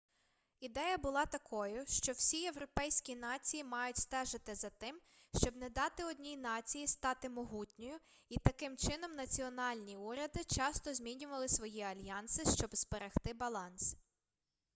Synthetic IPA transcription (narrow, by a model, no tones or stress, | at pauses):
id̪ɛjɐbʊlˠɑt̪ɐkʰɔjʊʃt͡ʃɔwsʲieʋɾɔpɛjsʲkʲinɑt͡sʲijimɑjʊtʲst̪ɛʒɪt̪ɪzɐt̪ɪm | ʃt͡ʃɔbnɛd̪ɑt̪ɪɔdʲnʲijnɑt͡sʲijist̪ɑt̪ɪmɔɦutʲnʲɔjʊ | it̪ɐkɪmt͡ʃɪn̪ɔmnɐt͡sʲiɔnɑlʲnʲiuɾʲɐd̪ɪt͡ʃɑst̪ɔzʲmʲinʲʊʋɐlˠɪsʋɔjiɐlʲjɑnsɪʃt͡ʃɔbspeɾɐxt̪ɪbɐlˠɑns